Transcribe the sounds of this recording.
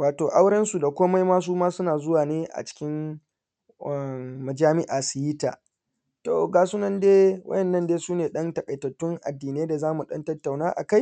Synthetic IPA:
waː˨toː˨ʔa˦wɽɛ˦nsu˨da˨kʷoː˦ma˦jmaː˦s̬uː˦maː˦sʊ˦naː˨zʊ˦waː˨neː˦ʔa̰˨t͡ʃɪ̥˦kʲɪ˦m˨ | mɐ˨d͡ʒaː˦mɪ˦ʔaː˨su˨ji˦ta̰ː˨ | to̰ː˨ɡaː˨su˦nɐ˦ndeː˦wʔɐ̰˦jɛ˨nːɐ˦ndeː˦suː˦neː˨ɗɐ˦ntɐ˨kʼɐ˨jtɐ˨tːʊ˦ŋʔa̰˨dːiː˨ne˦da˨zaː˦mu˨ɗɐ˦ntɐ˦tːa˨wnaː˦ʔa̰˨ka˦j

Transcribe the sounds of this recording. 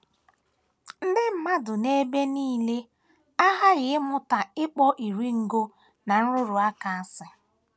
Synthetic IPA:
n̩˦dɪ˦m̩˦ma˦dʊ˨ne˦be˦niː˦le˦ | a˦ɦa˦ɣɪ˨˦mʊ˦ta˨ɪ˦k͡pɔ˦ʔi˨ɾi˦ŋ̩˨ɡo˦ | na˨n̩˦ɾʊ˦ɾʊ˨a˦ka˨a˦sɪ˨

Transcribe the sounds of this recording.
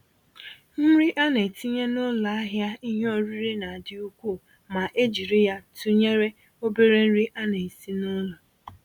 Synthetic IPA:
n̩˦ɾi˦ʔa˦ne˨ti˦ɲe˦nʊ˦lʊ˨a˦ɦja˦i˦ɦo˦ɾi˦ɾi˦na˨dɪ˨u˦kʷu˦˨ | ma˨ʔe˦d͡ʒi˨ɾi˦ja˦tu˦ɲe˦ɾe˦ | o˦be˦ɾe˦n̩˦ɾi˦ʔa˦ne˨i˨si˦nʊ˦lɔ˨

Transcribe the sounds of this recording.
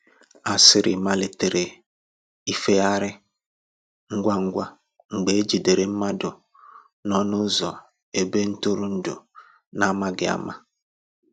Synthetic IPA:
a˨sɪ˦ɾɪ̰˨ma˦le˨te˨ɾe˨ | i˦fe˦a˦ɾɪ˦ | ŋ̩˦ɡʷa˦ŋ̩˦ɡʷa˦ | ŋ͡m̩˨ɡ͡be˨e˦d͡ʒi˨de˨ɾe˨m̩˦ma˦dʊ˨ | nɔ˦nʊ˦zɔ˨ | e˨be˦n̩˦tʊ˦ɾʊ˦n̩˦dʊ̰˨ | na˦ma˦ɡɪ˨a̰˦ma˦

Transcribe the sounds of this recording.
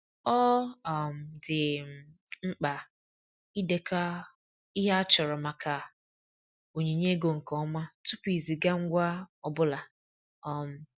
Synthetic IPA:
ɔ˦˨m̩˨dɪ˨ | ŋ͡m̩˦k͡pa˨ | i˦de˨ka˦ | i˦ɦa˦a˦t͡ʃɔ˨ɾɔ˨ma˨ka˨ | o˨ɲe˨ɲe˦ɡo˨ŋ̩˨kɔ˦ma˦tu˦pi˨zi˨ɡa˦ŋ̩˦ɡʷa˦ɔ˨bʊ˦la˨ | ɔ˨m̩˨

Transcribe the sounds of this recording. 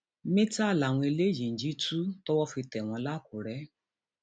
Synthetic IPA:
mĩ˦ta˦˨la˨w̃ɔ̃˧e˧le˦d͡ʒĩ˨n̩˨d͡ʒi˦tu˦tɔ˦wɔ˦fi˧tɛ˨w̃ɔ̃˧˦la˦˨ku˨ɾɛ˨˦

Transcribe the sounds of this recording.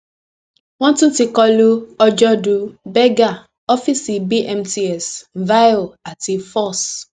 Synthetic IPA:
wɔ̃˦n˦tũ˦ti˨kɔ˦lu˦ɔ˦d͡ʒɔ˦du˦bɛ˦ɡa˨ | ɔ˦fi˦si˨bi˦ʔɛ˨mti˦ɛ˨sva˦jɔ˨a˨ti˨fɔ˦˨s

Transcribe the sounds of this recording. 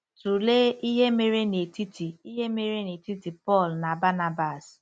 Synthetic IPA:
tu˨le˦i˦ɦe˦me˦ɾe˦ne˨ti˦ti˨i˦ɦe˦me˦ɾe˦ne˨ti˦ti˨pɔ˦˨lna˨ba˦na˦ba˨s

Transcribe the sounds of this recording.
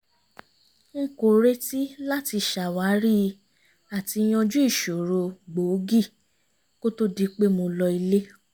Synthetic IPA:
ŋ̩˦˨ko˨ɾe˦ti˦la˦ti˧ʃa˨wa˨˦ɾi˦ | a˨ti˧˦j̃ɔ̃˧d͡ʒu˦i˦˨ʃo˨ɾo˧ɡ͡bo˨˦ɡi˦˨ | ko˦to˦di˧k͡pe˦mõ˧lɔ˧i˧le˦

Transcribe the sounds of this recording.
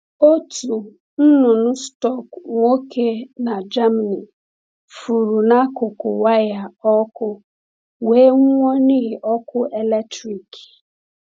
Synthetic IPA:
o˦tu˨ | n̩˦nʊ˨nʊ˦stɔ˦˨kŋo˦kʰe˦na˨d͡ʒa˦ma˨ni˨ | fu˨ɾu˨na˦kʊ˨kʊ̰˨wa˦ja˨ɔ˦kʊ˦ | we˨˦ŋ˦ŋʷɔ˦ni˦˨ʔɔ˦kʊ˦ʔe˨le˦tɾi˨k

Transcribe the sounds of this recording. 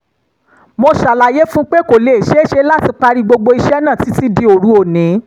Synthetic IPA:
mo˧ʃa˨la˨je˦fũ˦k͡pe˦ko˨le˨i˨ʃe˦ʃe˧˦la˦ti˧k͡pa˧ɾi˧ɡ͡bo˧ɡ͡bo˧i˧ʃɛ˦nã˦˨ti˨˦ti˦di˧o˨ɾu˨˦o˨nĩ˨˦

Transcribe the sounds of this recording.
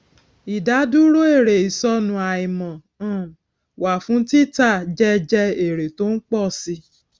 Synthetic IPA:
i˨da˨˦du˦ɾo˦e˦˨ɾe˨i˨sɔ˦nũ˧˦a˨i˨mɔ̃˨ | ã˦˨ | wa˨fũ˨˦ti˦˨˦ta˦˨d͡ʒɛ˦d͡ʒɛ˧e˨ɾe˨to˦n̩˦k͡pɔ˦˨si˧

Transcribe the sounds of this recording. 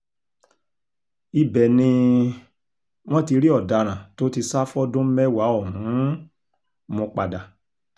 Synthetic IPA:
i˧bɛ˨nĩ˧ | w̃ɔ̃˦ti˧ɾi˦ɔ˦˨da˨ɾ̃ã˨to˦ti˧sa˦fɔ˦dõ˦mɛ˦wa˨˦ɔ˦˨hũ˨˦ | mõ˧k͡pa˨da˨

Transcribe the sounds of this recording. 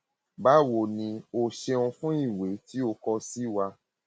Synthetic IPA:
ba˨˦wo˨nĩ˧o˧ʃe˧ũ˧fũ˦i˦˨we˨˦ti˦o˧kɔ˧si˦wa˧

